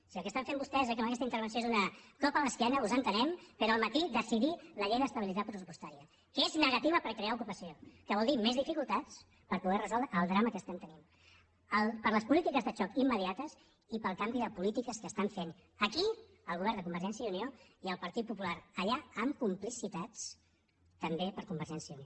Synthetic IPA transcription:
siəlˠkəst̪aɱfembust̪ɛzəkeəməkɛst̪əint̪ɾβəns̬oezunəkɔpələskɛnəuzənt̪ənɛmpəɾoəlˠmət̪iðəsiðiləʎejðəst̪əβilit̪at̪pɾəsupust̪aɾiə | keznəɣɐt̪iβəpəɾkɾeaukupəsiokəβɔlˠd̪imezðifikulˠt̪at͡s | pəɾpuðɛrəzɔlˠd̪ɾəːlˠd̪ɾaməkəst̪ɛmt̪ənim | əlˠpəɾləspulit̪ikəzðət͡ʃɔkimːəðiat̪əz | ipəlˠkambiðəpulit̪ikəskəst̪aɱfen | əki | əlˠɣuβɛɾnd̪əkumbəɾʒɛns̬jəunioiəlˠpəɾt̪it̪̚pupulaɾəʎaəmkumplisit̪at͡s | t̪əmbepəɾkumbəɾʒɛnsjəunio

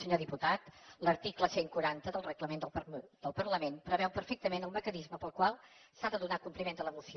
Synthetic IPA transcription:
səɲoðiput̪at̪ləɾt̪ikləseŋkuɾant̪əðəlˠrəɣləmend̪əlˠpd̪əlˠpərləmenpɾəβɛwpəɾfɛk̚t̪əmenəlˠməkənizməpəlˠkwalˠsaðəðunakumplimend̪ələmusi

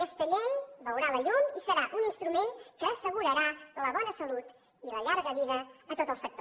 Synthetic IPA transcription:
kəst̪əʎeβəwɾaləʎumisəɾaʔuninst̪ɾumeŋkəːsəɣuɾəɾaləβɔnəsəlut̪ | iləʎaɾɣəβiðəːt̪ot̪əlˠsək̚t̪

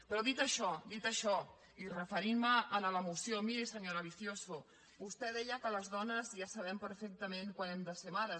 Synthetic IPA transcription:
pɾɔðit̪əʃɔd̪it̪əʃɔ | irəfəɾimməːnələmusjomiɾesəɲoɾəβ̞iθjosu | bust̪ɛðɛʎəkələzðɔnəzjasɐβ̞ɛmpəɾfek̚t̪əmẽŋkwanɛmd̪əsemaðə

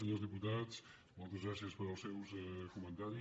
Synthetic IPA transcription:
əɲozðiput̪at͡s | mɔlˠt̪əzɣɾasiəspəɾəlˠsɛwsɛkumənt̪aɾi

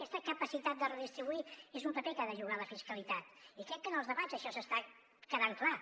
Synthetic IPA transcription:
ɛst̪əkəpəsit̪at̪̚d̪ərəðist̪ɾiβuiezumpəpekaðəʒuɣaləfiskəlit̪at̪ikɾɛkːənəlˠzðəβaəʃɔsəst̪a | kəðaŋkla

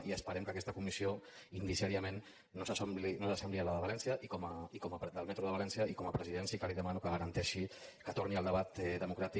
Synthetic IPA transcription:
iəspəɾɛmkəkɛst̪əkumisioind̪isiaɾiamẽnː | osasomblinosasɛmblialaðəβalɛnsiəʔikoməikoməpd̪əlˠmɛt̪ɾuðəβlɛnsiəikoməpɾəziðɛnsikaliðəmanukəɣəɾənt̪ɛʃikət̪oɾniəlˠd̪əβat̪ɛðəmukɾat̪i

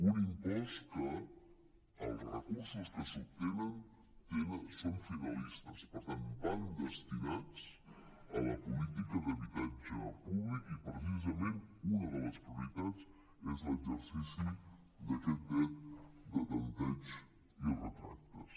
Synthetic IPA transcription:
unimpɔst̪kə | əlˠzrəkuɾsuskəsut̪enən | t̪enəsonfinalist̪əspəɾt̪anband̪əst̪inat͡s | ələpulit̪ikəðəβit̪ad͡ʒəpuβlikipɾəs̬izəmẽnunəðələspɾjuɾit̪at͡s | ɛzləɡzəɾsisi | d̪əkɛt̪̚d̪ɛt̪d̪ət̪ənt̪ad͡ʒ | irət̪ɾa̰k̚t̪ə̰s

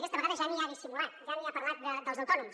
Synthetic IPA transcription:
kɛst̪əβəɣaðəʒaniaðisimulat̪ʒaniapəɾlat̪̚d̪əd̪əlˠzəwt̪ɔnums

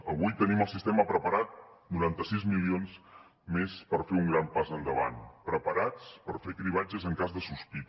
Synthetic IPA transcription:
əβujt̪əniməlˠsist̪ɛməpɾəpəɾat̪̚nuɾant̪əsizmilions | mespəɾfeuŋɡɾampazənd̪əβa̰npɾəpəɾat͡spəɾfekɾiβ̞ad͡ʒəzəŋkazðəsuspit̪

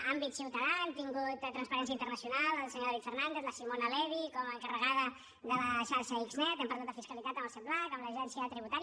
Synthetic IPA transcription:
ambit̪siwt̪əðant̪iŋɡut̪t̪ːɾənspəɾɛnsjəint̪ərnəsiunalˠəlˠsəɲoɾðaβit̪fərnand̪eðləsimonəlɛβikɔməːŋkərəɣaðə | ðələʃaɾʃəikznɛt̪ɛmpəɾlat̪əfiskəlit̪at̪ənəlˠsewblakəmləʒɛnsiət̪ɾiβut̪aɾj

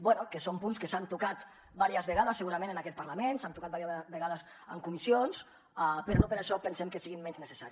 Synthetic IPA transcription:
bwɛnukəsompunskəsant̪ukat̪ | baɾiəzβəɣaðəsːəɣuɾəmẽnənakɛt̪̚pəɾləmensant̪ukat̪̚baɾiβəɣaðəs | ə̰ŋkumisions | apəɾɔnopəɾaʃɔpənsɛmkəsiɣimmɛɲznəsəsaɾi

